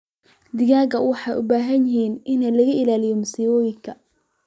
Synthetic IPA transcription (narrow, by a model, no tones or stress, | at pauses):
d̪ɪɣaːɡɐwɑħɑːjʔʊbaːɦɐnjɪɦiːnʔɪnɐlɐɣɐʔɪlaːlɪjɔmʊsiwɔːjɪŋkʰɐ